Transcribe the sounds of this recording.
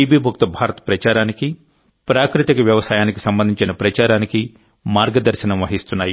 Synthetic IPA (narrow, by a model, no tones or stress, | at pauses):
iːbiːbʱuk̚t̪ɐbʱaːɾɐt̪ɐ̥pɾɐt͡ʃaːɾaːniki | pɾaːkɾut̪ikɐʋjɐʋɐsaːjaːnikisɐmbɐnd̪ʱiɲt͡ʃinɐpɾɐt͡ʃaːɾaːniki | maːɾɡɐd̪ɐɾʃɐnɐmʋɐɦist̪unːaːji